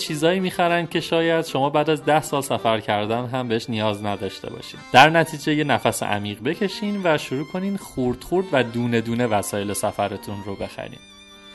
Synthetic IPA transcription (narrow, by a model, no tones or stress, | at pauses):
t͡ʃʰiːzɒːiːmiːxæɾænd̪̥̚cʲʰe̞ʃɒːjæd̪̥ʃo̞mɒːbæːd̪æzd̪æhsɒːlsæfæɾcʰæɾd̪ænɦæmbe̞eʃnijɒːznæd̪ɒːʃt̪ʰe̞̰bɒ̰ːʃḭːmd̪̥æɾnæt̪ʰiːd͡ʒe̞je̞næfæsḛʔæ̰miːɣbe̞cʰe̞ʃiːnvæʃuɾuːkʰo̞niːnχuːɾd̪̥χuɾd̪væd̪uːne̞d̪uːne̞væsɒːje̞le̞sæfæɾe̞t̪ʰunrobe̞xæ̰ɾḭːm